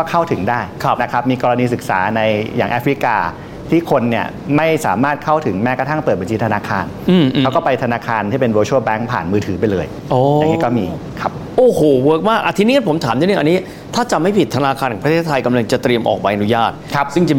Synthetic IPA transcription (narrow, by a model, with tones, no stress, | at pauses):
kɔː˥˩kʰa˥˩wt̪ʰɯ˩˦ŋdaː˥˩jkʰa˦˥na˦˥kʰa˦˥p̚miː˧kɔː˧ɾa˧niː˧sɯ˨˩k̚sa̰ː˩˦na˧jja̰ː˨˩ŋʔɛː˦˥fɾi˦˥kaː˧ | t̪ʰiː˥˩kʰo˧nːi˥˩ɐ | ma˥˩jsa̰ː˩˦maː˥˩t̪̚kʰa˥˩wt̪ʰɯ˩˦ŋmɛː˦˥ka˧t̪ʰa˥˩ŋpɤː˨˩t̪̚ba˧nt͡ɕi˧t̪ʰa˧naː˧kʰaː˧n | ʔɯː˧˩mʔʰɛ˦˥kɔː˥˩pa˧jt̪ʰa˧naː˧kʰaː˧nt̪ʰiː˥˩pe˧nwoː˧t͡ɕʰoː˥˩bɛ˦˥ŋpʰa̰ː˨˩nmɯː˧t̪ʰɯː˩˦pa˧jlɤː˧j | ʔoː˧˨˩niː˦˥kɔː˥˩miː˧ | kʰa˦˥p̚ʔoː˧˩hoː˨˩wɤː˦˥k̚maː˥˩kʔa˧˩t̪ʰi˧niː˦˥ka˥˩pʰo˩˦mt̪ʰaː˩˦mː˧˥ni˥˩ʔnːiː˦˥ | t̪ʰaː˥˩t͡ɕa˨˩ma˥˩jpʰi˨˩t̪ʰːa˧naː˧kʰa˧ntʰːpʰt̪ʰe˥˩t̪ʰːa˧jka˧mla˧ŋt͡ɕa˨˩t̪ɾi˧əmʔɔ̰ː˨˩k̚pa˧jʔa˧nu˦˥jaː˥˩t̪̚kʰa˦˥p̚sɯ˥˩ŋt͡ɕa˨˩